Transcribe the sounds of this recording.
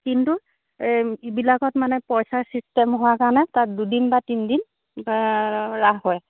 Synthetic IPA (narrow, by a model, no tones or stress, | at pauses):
kintu | ibilakɔtmanɛpɔjsaɹsistɛmɦʊwakaɹnɛtat̚dudinbatindin | ɹaɦɦɔj